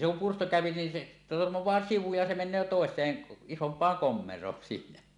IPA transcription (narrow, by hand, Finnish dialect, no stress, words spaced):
se kum pursto kæˑøpi nin se tormowˑɑː siʋu jɑ se menˑøː toˑesˑeːn isompˑɑːŋ komːerˑoːn silːæ